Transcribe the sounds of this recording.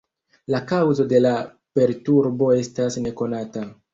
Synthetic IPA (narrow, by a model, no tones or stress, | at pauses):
lakawzo̞de̞la | pe̞ɾtuɾbo̞e̞stasne̞ko̞nata